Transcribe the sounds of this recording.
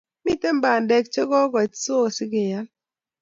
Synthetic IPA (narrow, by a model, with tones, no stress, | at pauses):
mi˦te˦m˦ba˨ndɛ˨k̚t͡ʃe˦ɡɔ˦ɡɔ˨t͡ʃso˦˨sɪ˦ɡɪ˨ɲa˨˦l